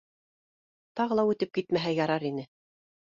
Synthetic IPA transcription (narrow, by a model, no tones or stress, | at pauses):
t̪ɑʁɤ̆lˠɑʉt̪ɘp̚kit̪mæɦæjɑɾɑɾinɘ